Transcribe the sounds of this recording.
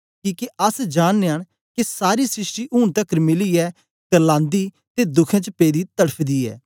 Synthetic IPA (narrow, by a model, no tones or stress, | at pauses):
kiːkeɐsd͡ʒaːnːeaːɽ̃ | kesaːɾisɾɪsʈiʔʊːɳ̃t̪ɐkəɾmɪliɛː | t̪ɛlãːnd̪i | t̪ed̪ʊkʰẽt͡ʃəpeːd̪it̪ɐɽəpʰd̪iɛ̰ː